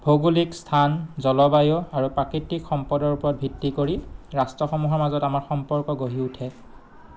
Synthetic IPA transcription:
bʱoɡulikstʰanzɔlɔbajɔaɹupɹakitːikxɔmpɔdɔɹupɔɹɔt̚bʱitːikoɹiɹastɹɔxɔmuɦɔɹmazɔtamaɹxɔmpɔɹkɔɡoɦiutʰɛ

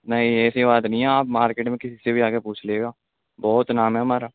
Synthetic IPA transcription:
nɐɦĩɛːsibaːt̪nəĩɛaːpmaːɾkeːʈmẽkɪsisebʱiaːkepuːt͡ʃʰleːɡaː | bɔːt̪naːmɦɛɦɐmaːɾaː

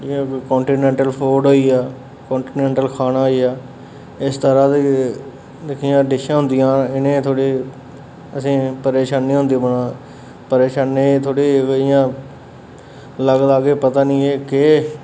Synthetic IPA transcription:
d͡ʒĩkkoːɳʈiːnẽːɳʈəlpʰoːɖɦoːiːaː | kõːɳʈiːnẽːɳʈəlkʰaːnaːɦoiːaː | ɪst̪əɾaːd̪ | d̪ɪkʰijãːɖɪʃãːɦʊ̃nd̪ɪjãːɪnẽːt̪ʰoːɽiː | əsĩːpəɾeːʃaːnĩːɦʊ̃nd̪iːbənãː | pəɾeːʃaːnẽːt̪ʰoːɽiːɡɪjãː | ləɡd̪aːɡeːpət̪aːnĩːeːke

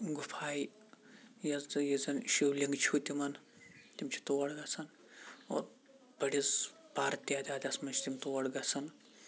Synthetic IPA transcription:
ɡufʰaːji | jɐzd̪ɨjizɐnʃiwlʲiŋɡt͡ʃʰut̪ʲimɐn | t̪imʲt͡ʃʰi̥t̪owɐɽɡɐsʰɐn | o̰ːɾ | bɐɽiz | paːɾt̪jaːd̪ʲaːd̪ʲɐsmɐnt͡ʃʰi̥t̪imʲt̪owɐɽɡɐsʰɐn

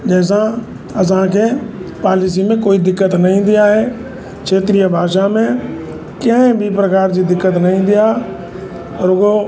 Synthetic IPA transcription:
d͡ʑɛːs̬ã | ɐs̬ãkʰeːpaːlis̬imẽkoːid̪ɪkːət̪nɐɦĩːn̆d̪iaːɦeː | kʰeːt̪ɾijəbʱaːʃamẽ | kə̃bʱipɾɐkaːɾd͡ʑid̪ɪkːət̪nɐɦĩːn̆d̪ijaː | ɔːɾʊɡo

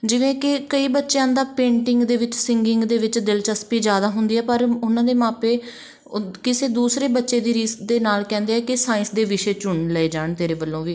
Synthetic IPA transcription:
d͡ʒɪʋẽːkɪkəiːbətːʃjãːd̪aːpẽːɳʈɪŋɡd̪eːʋɪt͡ʃsɪŋɡɪŋɡd̪eːʋɪt͡ʃd̪ɪlt͡ʃəspiːd͡ʒjaːd̪aːɦʊnd̪iːɛːpəɾʊnãːd̪eːmãːpeː | kɪseːd̪uːsɾeːbətːʃeːd̪iːɾiːsd̪eːnaːlkɛ̃ːnd̪eːɦɛːkɪsaːɪ̃nsd̪eːʋɪʃeːt͡ʃʊɳləeːd͡ʒaːɳt̪eːɾeːbəlːõːʋiː

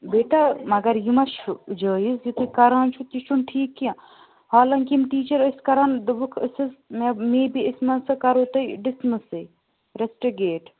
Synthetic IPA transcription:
beːʈamɐɡɐɾjimɐʃud͡ʒəːjisjit̪ukɐɾaːnt͡ʃʰut̪iʃunʈʰiːkːã | haːlɐŋkimʈiːt͡ʃɐɾəskɐɾaːnd̪ɐbukʰəsɨzmɐmeːbiismɐnsɐkɐɾoːt̪ɐɖɪsmɨsɨ | ɾesʈiɡeːʈ

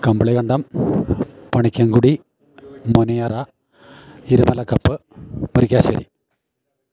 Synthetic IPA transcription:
kɐmbɐɭɐkɐɳɖɐm | pɐɳikʲːɐŋɡuɽi | monijɐrɐ | iɾumɐlɐkːɐpːɨmuɾikʲːaːɕɐɾḭ

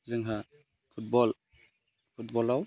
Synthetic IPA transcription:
zɯŋɦa | pʰut̚bɔl | pʰut̚bɔlaw

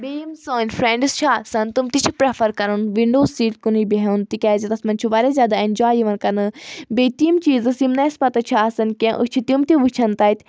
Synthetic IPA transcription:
bejimsoːnʲfɾẽːɳɖɨst͡ʃʰasɐnt̪umt̪it͡ʃʰipɾefʰɐɾkɐɾunʋiɳɖoːziːʈkunibiɦɐnt̪ikʲɛːzɐt̪ɐsmɐnʲt͡ʃʰuʋaɾezʲjaːd̪aːĩnʲd͡ʒaːjiʋɐnkɐnɨbeːt̪imt͡ʃiːzɨsimnɐspɐt̪ɐt͡ʃʰasɐnʲkʲẽʔɨ̰t͡ʃʰit̪jimt̪iʋɨt͡ʃʰɐnt̪ɐjt̪ʲ

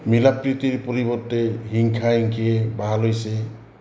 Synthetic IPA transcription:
milapɾit̪iɾpɔɾibɔɾt̪eɦiŋkʰaiŋkʰiebaɦalojse

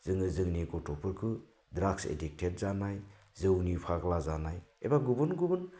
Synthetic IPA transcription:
zɯŋɯzɯŋniɡɔtʰɔpʰɯɾkʰɯ | dɾaksḛdik̚tʰet̚zanaj | zɯwnipʰaɡlazanajḛbaɡubɯnɡubɯn

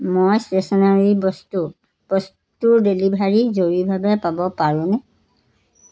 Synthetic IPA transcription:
mojstesɔnaɹibɔstu | b̥ɔs | tuɹdelibʱaɹizoɹibʱabɛpabɔpaɹʊ̃nɛ

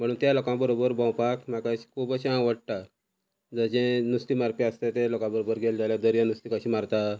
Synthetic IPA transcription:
m̤əɽ̃uːnt̪jalokãbəɾobəɾbãwpakmakaɕi̥kʰubəɕãʋəɽʈ̪a | d͡zəd͡ʑẽnust̪imaɾpiəst̪et̪elokãbəɾobəɾɡeld͡zʱaljad̪əɾjanust̪ikəɕimaɾt̪a

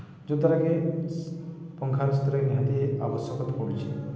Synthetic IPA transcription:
d͡ʒut̪ɔɾaɡe | pɔŋkʰaɾɔst̪ɔɾaɡeneɦad̪iea̰bɔsjɔkɔt̪apoɾit͡ʃʰi

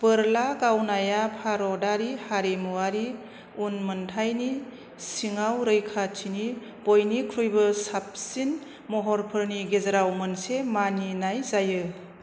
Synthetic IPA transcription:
b̥əɾlaɡawnajapʰaɾɔdaɾihaɾemuwaɾi | unmɯntʰajni | siŋawɾɯjkʰatʰini | b̥ojnikʰɾujbɯsap̚sin | mɔɦɔɾpʰɯɾniɡezaɾawmənsemaninajzajɯ

